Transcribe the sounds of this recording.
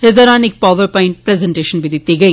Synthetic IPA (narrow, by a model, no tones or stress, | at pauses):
hɛzɐɾaːnɪk̚paːʋɐɾpɐjɪ̃ɳʈ̚pɾɛzɐɳʈeːʃɐnbɪðit̪ːɪɣɐɪ